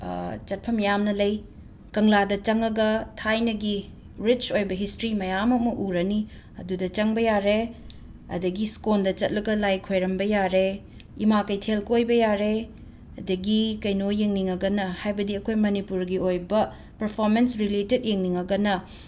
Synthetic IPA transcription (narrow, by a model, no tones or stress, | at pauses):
t͡ʃɐt̚pʰɐmjamnɐlɐj | kɐŋladɐt͡ʃɐŋɐɡɐtʰajnɐɡi | ɾit͡ʃojbɐɦistɾimɐjamɐmɐʔuɾɐni | ɐ̰dudɐt͡ʃɐŋbɐjaɾe | ɐ̰dɐɡiskondɐt͡ʃɐt̚lɐɡɐlajkʰojɾɐmbɐjaɾe | imakɐjtʰelkojbɐjaɾe | ɐdɐɡikɐjnojeŋniŋɐɡɐnɐhajbɐdiɐkʰojmɐnipuɾɡiojbɐ | pɐɾpʰoɾmensɾileted̚jeŋniŋɐɡɐnɐ